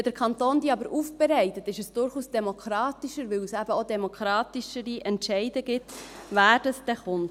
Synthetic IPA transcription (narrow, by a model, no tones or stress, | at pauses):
d̥̪əɾkʰχɑnt̪oːnd̪iɑbəɾʔufb̥ɛɾɛɪtət̪ɪʃəsd̥ʊɾχuːsd̥ɛmokʰɾɑːt̪iʃəɾʋɪwsæb̥əod̪ɛmokχɾɑːtiʃəɾiʔɛntʃɛɪdəɡɪtvæːɾd̥ɑsd̥ɛχʊnt